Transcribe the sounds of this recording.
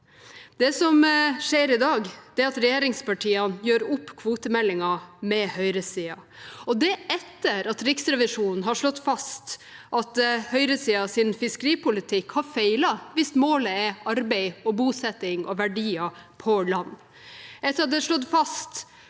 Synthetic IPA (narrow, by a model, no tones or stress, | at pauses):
d̪ɛsɔmʂeːɾɪd̪ɑːɡd̪ɛɑt̪ɾɛjeːɾɪŋspɑʈʰiːənjøːɾʊpːkʰʋuːt̪əmɛlːɪŋɑmɛhœʏɾəsiːɑ | ɔd̪ɛʔɛt̪ːəɾɑt̪ɾɪksɾɛʋɪʂuːnn̩ɦɑʂɭɔt̪ːfɑst̪ʔɑt̪hœʏɾəsiːɑsɪnfɪskəɾiːpʊlɪt̪ʰɪkhɑɾfeɪlɑʋɪst̪moːləɛɑɾbɛɪɔbuːsɛt̪ɪŋɔʋæɖiːɑpʰɔlɑnː | ɛt̪ːɾɑt̪̚d̪ɛʂlɔd̪fɑst̪